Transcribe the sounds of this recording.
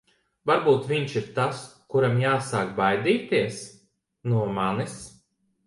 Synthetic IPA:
vaɾbuːt̪vʲiɲʃiɾt̪askuɾamjaːsaːkbajd̪iːt̪iɛs | nuɔmanis

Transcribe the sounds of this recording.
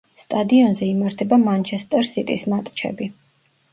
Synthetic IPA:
st̪ʼad̪iɔnzɛimaɾt̪ʰɛbamant͡ʃʰɛst̪ʼɛɾsit̪ʼismat̪ʼt͡ʃʰɛ̰bi

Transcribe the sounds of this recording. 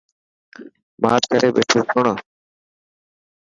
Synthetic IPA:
maːɾkəɾeːɓḛːʈʰoːkʰʊɳaː

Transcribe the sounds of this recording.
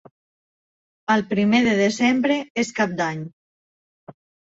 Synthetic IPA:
əlˠpɾimeðeðezɛmbɾeeskap̚d̪aɲ

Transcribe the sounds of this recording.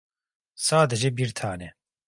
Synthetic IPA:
saːd̪əʒebiɾt̪ʰaːnɛ

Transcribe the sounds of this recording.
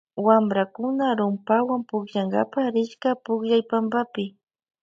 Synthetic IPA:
wambɾakʊnaɾʊmpawampʊkʎaŋɡa̰paɾɪʃkapʊkʎajpambapɪ

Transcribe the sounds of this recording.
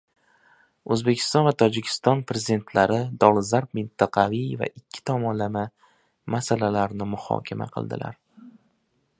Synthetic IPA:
ɵzbe̞kʲʰɪ̥st̪ɒnvat̪ʰɒd͡ʒɪkʲʰɪ̥st̪ɒnpɾe̞zid̪e̞nt̪ʰlaɾɪd̪ɒlˠzaɾp̚mɪnt̪ʰaqʰɑvijva̰ʔɪkʲʰːɪ̥t̪ʰɒmɒnlama | masalalaɾnɪmʊhɒ̰kʲʰama̰qʰɨ̰lˠd̪ɪ̰lʔa̰ɾ

